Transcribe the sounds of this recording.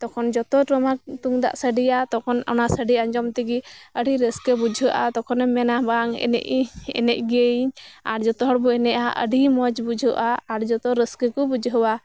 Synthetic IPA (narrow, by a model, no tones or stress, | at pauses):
t̪ɔkʰɔnd͡ʒɔt̪ɔʈɾɔmak̚t̪uŋd̪a̰ʔsəɖijat̪ɔkʰɔnɔ̰nasəɖiaɲd͡ʒɔmt̪iɡiəɖiɾəskəbud͡ʒʱəʔat̪ɔkʰɔnɛmɛnabaŋɛ̰ɛ̰ʔɛ̰nɛʔ̚ɡeɲaɾd͡ʒɔt̪ɔɦɔɽbuɛnɛʔaʔə̰ɖimɔd͡ʒbud͡ʒʱəʔaːɾd͡ʒɔt̪ɔɾəskəkɔbud͡ʒʱɦəwa